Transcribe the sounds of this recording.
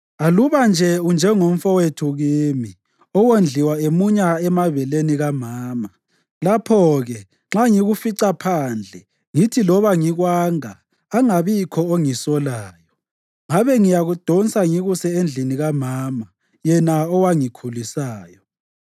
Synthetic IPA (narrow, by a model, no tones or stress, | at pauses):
aluβand͡ʒʱɛund͡ʒʱɛŋom̩fɔwetʰuɣiːmi | ɔwend͡ɮʱiwaemuɲaɛmaβɛleniɣamaːma | lapʰɔɣɛ | ŋ͡ǁaŋiɣufiǀapʰaːnd͡ɮʱɛ | ŋitʰilɔβaŋiɣwaːŋaː | ŋaβikʰɔoŋisɔlaːjɔ | ŋaβɛŋijaɣud̥ʱɔnsʼaŋiɣusɛend͡ɮʱiniɣamaːma | jɛnaɔwaŋikʰulisaːjɔ